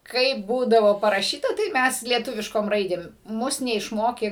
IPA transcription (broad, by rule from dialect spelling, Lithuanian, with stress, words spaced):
ˈkɐɪp ˈbuːdɐʋoː pɐrɐˈʃʲiːtɐ tɐɪ ˈmʲɛs lʲiɛˈtʊʋʲɪʃkoːm ˈrɐɪdʲeːm ˈmʊs nʲɛɪʃˈmoːkʲeː